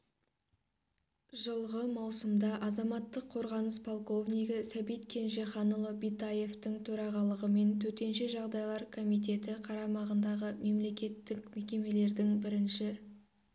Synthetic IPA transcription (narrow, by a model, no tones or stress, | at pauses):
ʒəlˠʁəmɑwsəmd̪ɑʔɑzɑmɑt̪ːəqʰːo̞ɾʁɑnəspʰolˠko̞vnijɡəsæbijt̪kʲʰe̞nʒe̞χɑnəlˠəbijt̪aje̞ft̪ɪŋt̪ʰɵɾɑʁɑlˠəʁəme̞nt̪ʰɵt̪e̞nʃe̞ʒɑʁd̪ɑjlˠɑɾkʰo̞mijt̪̬e̞t̪ɪqʰɑɾɑmɑʁənd̪ɑʁəme̞mle̞kʲe̞t̪ːɪkme̞kʲe̞me̞le̞ɾd̪ɪŋbɪɾɪnʃɪ